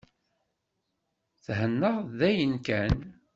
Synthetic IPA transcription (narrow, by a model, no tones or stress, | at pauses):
θhənːəʁðæjənkæn